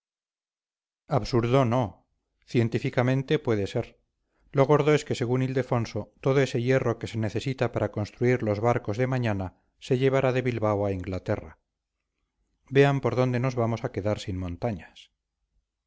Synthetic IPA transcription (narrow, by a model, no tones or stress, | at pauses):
aβsuɾðo̞no̞ | θje̞nt̪ifikamẽ̞nt̪e̞pwe̞ðe̞se̞ɾ | lo̞ɣ̞o̞ɾðo̞e̞ske̞se̞ɣ̞unild̪e̞fo̞nso̞t̪o̞ðo̞e̞se̞je̞ro̞ke̞se̞neθe̞sit̪apaɾako̞nst̪ɾuiɾlo̞zβaɾko̞zðe̞maɲana | se̞ʎe̞β̞aɾaðe̞βilβawaiŋɡlat̪e̞ra | be̞ampo̞ɾðo̞nd̪e̞no̞zβamo̞sake̞ðaɾsinmõ̞nt̪aɲas